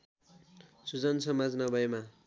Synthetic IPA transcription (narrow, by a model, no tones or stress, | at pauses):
sud͡zʌnsʌmad͡znʌbʱʌjema